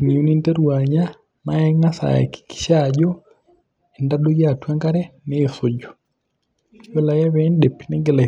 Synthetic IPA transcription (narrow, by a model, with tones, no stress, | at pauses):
ŋi˨o˦ni˦nte˦ɾwa˨ɲa˦ | ma˦ɛ˦ŋa˦sa̰˨ɛ̰˨ki̥ki̥˨ʃa˨d͡ʒɔ | e˨nda˦ɗo˦ja˦˨twa˦ŋɡa˦ɾɛ˦ne˦so˨d͡ʒo˨ | jo˦la˨ja˦βɛ˦nde˨pnɛ˦ŋɡe˨la˨